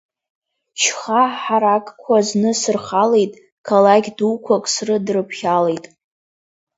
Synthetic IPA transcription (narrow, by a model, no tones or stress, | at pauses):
t͡ʃʰχaħaɾakʼkʷʰaznɨsɨrχale̞jtʼ | kʰalaɡʲduwkʷʰakʼsrɨdrɨpʰχʲale̞jtʼ